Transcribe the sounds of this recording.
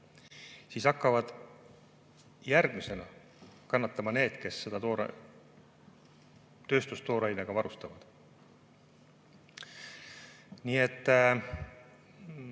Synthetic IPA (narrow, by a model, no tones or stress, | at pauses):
siːsɑkːɑvɑd̪̥ | jærɡ̥mise̞nɑ | kɑnːɑt̪ːˑɑmɑne̞ːd̪̥ke̞sːe̞d̪̥ɑt̪oɾ | t̪ø̞ːst̪ust̪o̞ːɾɑjneɡ̥ɑvɑɾust̪ɑvɑd̪̥ | niːe̞t̪ː